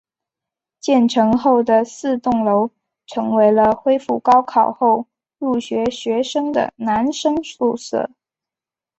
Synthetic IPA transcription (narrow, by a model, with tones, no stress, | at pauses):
t͡ɕjɛ˥˩nʈ͡ʂʰɤ˧˥ŋxo˥˩ʊd̪ə˩sɹ̩˥˧t̪ʊ˥˩ŋlo˧˥ʊ | ʈ͡ʂʰɤ˧˥ŋwe˧˥ɪlə˧xwe˥ɪfu˥˩kɑ˥ʊkʰɑ˨˩ʊxo˥˧ʊ | lu˥˩ɕɥɛ˧˥ɕɥɛ˧˥ʂɤ˥ŋd̪ə̰˨˩na˧˥nʂɤ˥ŋsu˥˧sɤ̰˥˩